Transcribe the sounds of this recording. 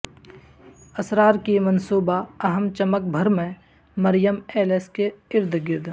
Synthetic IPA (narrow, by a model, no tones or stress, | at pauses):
ɐsɾaːɾkimɐnsuːbaɐɦəmt͡ʃəmək̚bʱəɾmẽ | məɾjəmeːleskeɪɾd̪ɡɪɾd̪